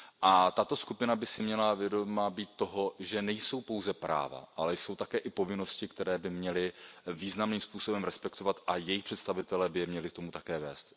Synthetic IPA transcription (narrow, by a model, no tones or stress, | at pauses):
ʔat̪at̪o̞skupɪnabɪsɪmɲɛlavjɛdomabiːt̪̚ːo̞ɦo̞ʒɛnɛjso̞wpo̞wzɛpɾa̰ːva̰ʔalɛjso̞wt̪akɛːʔɪpo̞vɪno̞scɪkt̪ɛɾɛːbɪmɲɛlɪviːznamniːmspuːso̞bɛmɾɛspɛkt̪o̞vat̪ʔajɛjɪxpr̥ɛt̪st̪avɪt̪ɛlɛːbɪjɛmɲɛlɪkt̪o̞mut̪akɛːvɛːst̪